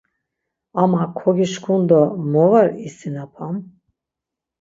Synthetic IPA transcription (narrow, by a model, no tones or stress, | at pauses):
amakʰɔɡiʃkʰund̪ɔmɔvaɾisinapʰam